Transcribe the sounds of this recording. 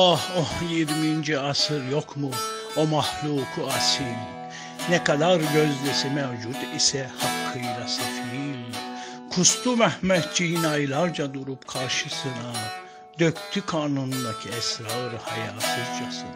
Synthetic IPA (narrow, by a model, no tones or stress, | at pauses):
ahojiɾmind͡ʒɛasɯɾjokʰmu | omɑhlˠuːkʰuasil | nɛkad̪aɾɟøzlɛsɛmɛwd͡ʒud̪isɛhɑkʰːɯjɾasafil | kʰust̪ʰumɛhmɛt̪̚d͡ʒiinajlˠaɾd͡ʒad̪uɾupkʰaɾʃɯsɯna | d̪økt̪ʰykʰaːnund̪acʰiɛsɾaɾhɑjaːt̪ʰɯzd͡ʒasɯ